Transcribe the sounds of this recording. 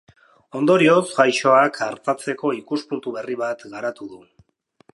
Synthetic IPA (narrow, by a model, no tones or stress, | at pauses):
o̞nd̪o̞ɾio̞sɡajʃo̞akʰaɾt̪at͡se̞ko̞ikuspunt̪uβe̞riβat̪ɡaɾat̪uðu